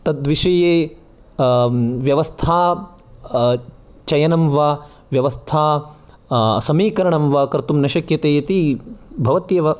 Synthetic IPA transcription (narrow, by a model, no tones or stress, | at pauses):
t̪ɐd̪ʋiʂɐjeː | ʋjɐʋɐst̪ʰaː | t͡ʃɐjɐnɐmʋaː | ʋjɐʋɐst̪ʰaː | sɐmiːkɐɾɐɳɐmʋaːkɐɾt̪umnɐʃɐkjɐt̪eːjɐt̪ibʱɐʋɐt̪jɐʋɐ